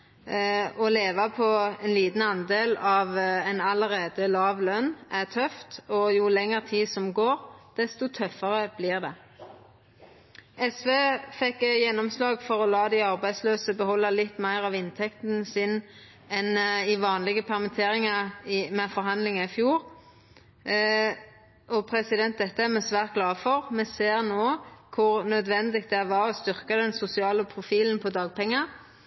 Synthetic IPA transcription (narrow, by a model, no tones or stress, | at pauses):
ɔleːʋɑpʰɔɛnliːd̪n̩ɑnd̪eːlɑʋɛnɑləʁeːd̪əlɑːʋlœnʔæt̪ʰœft̪ɔjʊlɛŋːəʁt̪ʰiːsɔmɡoːɾd̪̥ɛst̪ɔt̪ʰœfːəʁəb̥lɪːʁd̪ɛ | ɛsʋeːfɛkːjɛnːɔmslɑːɡfɔɾɔlɑːd̪ɪɑʁbæɪd̪sløːsəbəhɔlːɑlɪt̪ːmæɪʁɑʋɪnt̪ʰɛkt̪n̩sɪn | ɛnɪʋɑːnlɪɡəpʰɛʁmɪt̪ʰeːʁɪŋɑʁɪmɛfɔɾɦɑnd̪lɪŋɑɪfjuːʁ | ʔɔpʰʁɛsɪd̪ɛnt̪d̪ɛt̪ːəæmɛsʋæːʁt̪̚ɡlɑːfɔʁmɛseːʁnoːkʰʊʁnœd̪ʋɛnd̪ɪɡt̪d̪ɛæʋɑɾɔst̪ʏʁkɑd̪ɛnsʊsɪɑːləpʰʁʊfiːln̩pʰɔd̪ɑːɡ̚pʰɛŋːɑ